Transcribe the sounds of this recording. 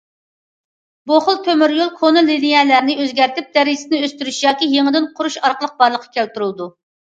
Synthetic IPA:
boχʊlˠt̪ʰømyɾjolˠkʰonɨlinijɛlæɾnɪøzɡʲæɾt̪ɪp̚d̪̥ɛɾiɪ̥sɪnɪøst̪yɾyʃjɑːkʲijeŋəd̪ɪnqʰʊɾuʃɑɾqəlˠəq̚bɑɾlˠəqʰːɑ̥kʲʰælt̪yɾulˠd̪u

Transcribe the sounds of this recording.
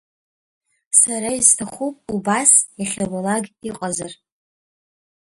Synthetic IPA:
saɾaiztʰaχʷupʼubasjaχʲalalaɡʲiqʼazar

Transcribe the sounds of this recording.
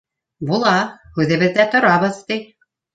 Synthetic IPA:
bulˠɑhʉðɘ̆βɘ̆ðːæt̪ŏɾɑβɤðt̪ij

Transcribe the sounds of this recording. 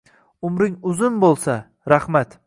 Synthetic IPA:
ʊmɾɪŋʊzʊnbolˠsa | ɾahmat̪

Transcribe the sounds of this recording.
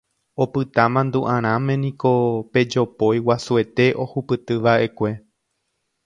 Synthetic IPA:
o̞pɨt̪amãnd̪uʔãɾ̃ãmẽ̞nĩko̞pe̞d͡ʒo̞pojwasue̞t̪e̞ʔo̞hupɨt̪ɨʋaʔe̞kʷe̞

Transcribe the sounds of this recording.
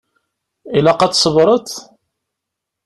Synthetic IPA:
ilæqɑt͡s̪sˤəvɾˤət̪

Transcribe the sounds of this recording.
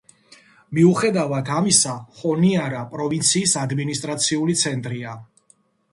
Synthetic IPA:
miuχɛd̪avat̪ʰamisaχɔniaɾapʼɾɔvint̪sʰiːsad̪minist̪ʼɾat̪sʰiulit̪sʰɛnt̪ʼɾia

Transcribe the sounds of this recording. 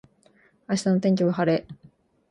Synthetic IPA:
aɕi̥t̪anot̪ẽ̞ŋ̟kʲoβahaɾe

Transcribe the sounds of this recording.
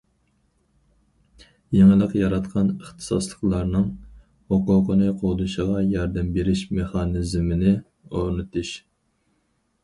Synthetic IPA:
jeŋɪlˠəqjɑɾɑt̪qʰɑnəχt̪ʰɨ̥sɑslˠə̥qlˠɑɾnɨŋ | hoqʊqənɨqʰod̪uʃəʁɑjɑɾd̪ɛmbeɾɪʃmeχɑnɪzmɪnɪ | oɾnɨt̪ʰuʃ

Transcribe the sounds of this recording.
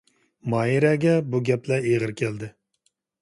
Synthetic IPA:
mɑjiɾɛɡʲɛbuɡʲɛplɛeʁəɾkʲʰɛld̪ɪ

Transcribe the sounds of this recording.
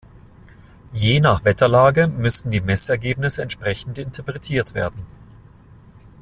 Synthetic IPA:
jeːnaːχv̥ɛtɐlaːɡəmʏsn̩diːmɛsɛɐɡeːpnɪsəɛntʃpʁ̥ɛçn̩tʔɪntʰɐpʁ̥ɛtʰiːɐtv̥ḛːɐdn̩

